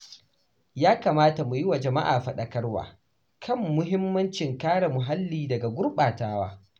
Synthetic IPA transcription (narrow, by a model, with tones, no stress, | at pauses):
jaː˦kaː˨maː˦ta˨mu˨jɪ˦wa˨d͡ʒɐ˨ma̰˦ʔaː˨ɸɐ˨ɗɐ˨kɐ˦rwa̰ː˨ | kʰɐ˦˨mːʊ˦ɦɪ˦mːɐ˦nt͡ʃɪ˨ŋkaː˦ɽa˨mʊ˨ɦa˦lːiː˨dɐ˨ɡa˨ɡʷʊ˦rɓaː˨taː˦waː˦